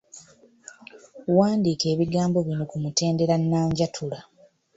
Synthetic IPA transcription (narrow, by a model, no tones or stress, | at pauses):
waːndiːke̞ːβiɡaːmbo̞βino̞kumute̞ːnde̞ɾanːaːɲɟatʰula